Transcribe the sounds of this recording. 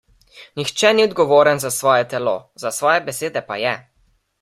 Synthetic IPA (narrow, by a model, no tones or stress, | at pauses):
nixt͡ʃɛniɔd̪ɡɔʋoːɾənzasʋɔːjɛt̪ɛlo̰zasʋɔːjɛbɛseːd̪ɛpa̰jɛ